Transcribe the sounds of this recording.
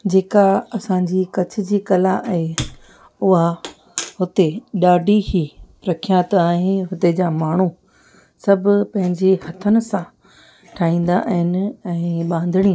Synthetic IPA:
d͡ʑeːkaɐsãɲd͡ʑiːkɐt͡ɕʰʊ̆d͡ʑiːkɐlãʔɐɦe | ʊɦa | hʊt̪eɗaːɖʱiɦi | ɾɐkʰijãt̪aːɦɪnɦʊt̪ed͡ʑaːmaːɳ̤u | sɐbʱʊpɐ̃ɦɪ̃ɲd͡ʑehɐt̪ʰənɪ̆sã | ʈʰaːĩːn̆d̪aʔɐɦɪnɪ̆ɛ̃ːɓãːn̆d̪ʱɪɽ̃ĩː

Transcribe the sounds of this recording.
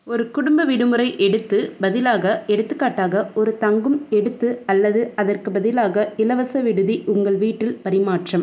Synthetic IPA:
ɔɾɯkʊɽʊmbɐʋɪɽɯmɯɾɐɪʔɛɽɯt̪ːɯbɐðɪlaːɣɐɛɽɯt̪ːɯkːaːʈːaːɣɐɔɾɯt̪ɐŋɡɯmɛɽɯt̪ːɯɐlːɐðɯɐðɐrkɯbɐðɪlaːɣɐɪlɐʋɐsɐʋɪɽɯðiʔʊŋɡɐɭʋiːʈːɪlpɐɾɪmaːʈrɐm

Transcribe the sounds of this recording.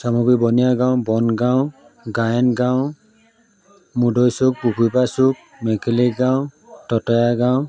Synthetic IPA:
samɔɡɹibɔnijaɡãwbɔnɡaw | ɡajɔnɡaw̃ | mudɔjsuk̚pupupasuk̚ | mɛkeliɡaw̃ | tɔtɔjaɡaw̃

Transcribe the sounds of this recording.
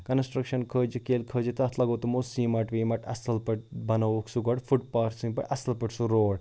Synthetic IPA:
kɐnsʈɾɐkʃɐnkʰəːd͡ʒikeːlkʰəːd͡ʒit̪ɐɐt̪ʰlɐɡɐwt̪umosimɐʈʋiːmɐʈɐ̰sɐlpɐʈ̚bɐnɐʋuksuɡɐʈfuʈpaːɾsĩŋpɐ̰ʈɐsɐlpɐʈsuɾoːɽ

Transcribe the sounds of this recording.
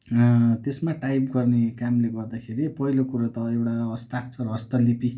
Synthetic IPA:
t̪esmaʈajpɡʌrnekamleɡʌrd̪akʰeɾipʌɦilokuɾat̪ʌewʈaʌst̪akt͡sʰʌɾʌʌst̪ʌlipi

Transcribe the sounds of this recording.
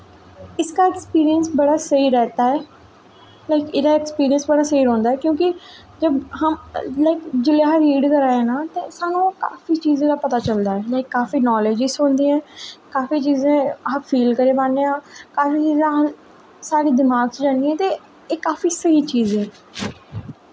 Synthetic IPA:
ɪskaːɛkspiːɾijənsbəɽaːsəiːɾɛːt̪aːɛː | laɪkɪːd̪aːɛkspiːɾijənsbəɽaːsəiːɾɔ̃ːnd̪aːɛːkjõːkɪ | d͡ʒəbɦəmlaɪkd͡ʒɪleːɦɾiːɖkəɾaːeːnaːt̪ẽːsaːnũːka̰ːfiːt͡ʃiːzẽːd̪aːpət̪aːt͡ʃəld̪aːɛːlaɪkːaːfiːnɔːleːd͡ʒɪsɦʊ̃nd̪iːɛ̃ːkaːfiːt͡ʃiːzẽːaːfʰiːlkəɾeːbãːneãːkaːfiːt͡ʃiːzã | saːɾiːd̪ɪmaːɡsd͡ʒãːnd̪iɛ̃ːt̪eː | eːkaːfiːsəɦiːt͡ʃiːzɛ̃ː

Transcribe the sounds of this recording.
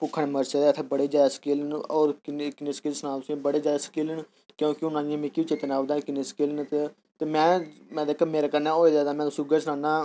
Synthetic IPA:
pʊkʰːəɳeːməɾt͡ʃed̪eːt̪ʰebəɽeːd͡ʒaːd̪aːsə̥keːlənɔːɾkɪkɪneːskeːlsnãːsĩbəɽeːd͡ʒaːd̪aːsə̥kiːlən | kjõːkɪʊnãːijãːmẽːkiːt͡ʃɪt̪ːnaːd̪aːkɪneːskeːlnt̪e | t̪eːmɛ̃ːmɛ̃ːd̪eːkʰəmeːɾaːkəɾnaːɦoːid̪aːd̪aːmɛ̃ːt̪ːsiɡeːsnãːnaː

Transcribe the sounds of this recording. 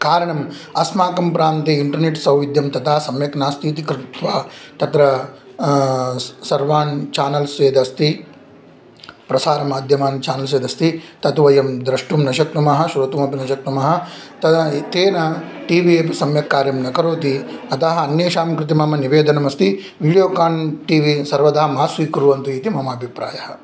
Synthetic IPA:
kaːɾɐɳɐm | ɐsmaːkɐmpɾaːnt̪iiɳʈɐɾneʈsɐwʋid̪jɐmt̪ɐt̪ʰaːsɐmjɐknaːst̪iːt̪ikɾɪt̪ʋaːt̪ɐt̪ɾɐ | sɐɾʋaːnt͡ʃaːnɐlsʋeːd̪ɐst̪i | pɾɐsaːɾɐmaːd̪ʱjɐmaːnt͡ʃaːnɐls̬ʋeːd̪ɐst̪it̪ɐt̪ʋɐjɐmd̪ɾɐʂʈumnɐʃɐk̚t̪umɐɦɐ̆ʃuɾɐt̪uːmɐpinɐʃɐk̚t̪umɐɦɐ̆ | t̪ɐt̪eːnɐʈiːʋiepsɐmjɐkːaːɾjɐmnɐkɐɾoːt̪̬iɐt̪ɐɦɐɐnjeːʃaːmkɾɪt̪̬imɐmɐniʋeːd̪ʱɐnɐmɐst̪i | ʋiːɽijoːkaːɳʈiːʋisɐɾʋɐd̪ɐɦɐmaːsʋiːkɾuʋɐnt̪uiːt̪imɐmaːbʱipɾaːjɐhɐ̆

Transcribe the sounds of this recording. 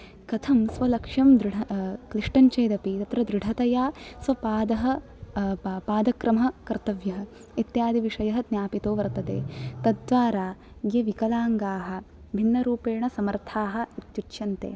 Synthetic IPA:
kɐt̪ʰɐmsʋɐlɐkʂɐmd̪ɾɪɽɐkliʂʈɐɲt͡ʃɐjːd̪ɐpit̪ɐt̪ɾɐd̪ɾɪɖʱɐt̪ɐjaːsʋɐpaːd̪ɐɦɐ | paːd̪ɐkɾɐmɦɐkɐɾt̪ɐʋjɐɦɐ | it̪jaːd̪iʋiʂɐjɐɦɐd̪njaːpit̪oːʋɐɾt̪ɐd̪ḛːt̪ɐd̪ːʋaːɾaː | ɡeʋikɐlaːŋɡaːɦɐ̆ | bʱinːɐɾuːpeːɳɐsɐmɐɾt̪ʰaːɦɐ̆it̪jutːʃɐnt̪ḛː

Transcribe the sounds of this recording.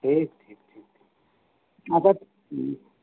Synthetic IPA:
ʈʰiːkʈʰiːk̚ʈʰiːk̚tʰiːk | at̪a

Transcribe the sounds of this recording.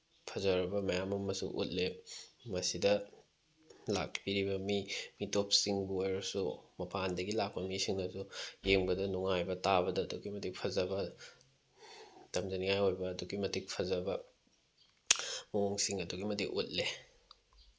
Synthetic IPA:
pʰɐzɐɾɐbɐmɐjamɐmɐsṵʔṵt̚lemɐsidɐ | la̰k̚biɾibɐmimitop̚siŋbuojɾɐsumɐpʰandɐɡilak̚pɐmisiŋnɐsujeŋbɐdɐnuŋajbɐtabɐdɐːduɡimɐtik̚pʰɐzɐbɐ | tɐmd͡ʒɐniŋajojbɐːduɡimɐtik̚pʰɐzɐbɐ | mooŋsiŋɐduɡimɐdikʔut̚le

